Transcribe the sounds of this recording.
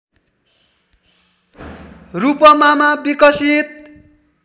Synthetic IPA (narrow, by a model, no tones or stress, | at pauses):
rupʌmamabikʌsit̪̚